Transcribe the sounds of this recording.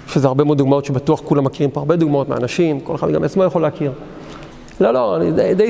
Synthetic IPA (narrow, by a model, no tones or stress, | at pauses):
ʃezeaʁbe̞mod̪duɡmao̞t̪ʃebat̪uaχkulamːakiʁimpoaʁbe̞d̪uɡmao̞t̪mea̰naʃimko̞lexad̪ɡameat͡smojeχoleakiʁ | lolo̞anid̪ejd̪e